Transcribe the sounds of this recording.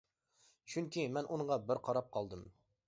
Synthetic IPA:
t͡ʃʰyŋkʲimɛnʔuŋʁɑbɪɾqʰɑɾɑp̚qʰɑlˠd̪ɨm

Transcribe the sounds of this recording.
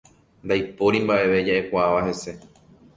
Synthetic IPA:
nd̪ajpo̞ɾĩmbaʔe̞ʋe̞d͡ʒaʔe̞kʷaaʋaɦe̞se̞

